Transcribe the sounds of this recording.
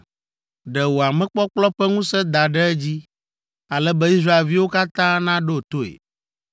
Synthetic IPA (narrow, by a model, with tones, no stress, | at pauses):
ɖɛ˨wo˨a˨mɛ̃˦k͡pɔ˦k͡plɔ˦ɸɛ˦ŋũ˦sɛ˦d̪a˨ɖɛ˦ɛ˦d͡ʑi˦ | a˨lɛ˦bɛ˦i˦sɾa˦e˨lvi˦wo˦ka˦t̪ã˦nã˦ɖo˦o˨t̪o˦ḛ˨